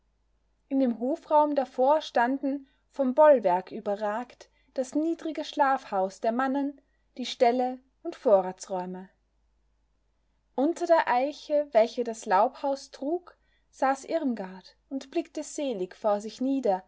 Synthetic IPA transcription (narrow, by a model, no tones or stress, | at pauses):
ʔɪndeːmɦoːfʁ̥aʊmdafoːɐʃtandn̩ | fɔmbɔlvɛɐkʰʔyːbɐʁaːkt | d̥asniːdʁɪɡəʃlaːfhaʊsd̥eːɐmanən | d̥iːʃtɛlə | ʊntfoːɐʁaːt͡sʁɔʏmə | ʔʊntɐdeːɐʔaɪçəvɛlçədaslaʊphaʊstʁ̥uːk | z̥aːsʔɪʁmɡaɐt | ʊntb̥lɪktəz̥eːlɪçfoːɐzɪçniːdɐ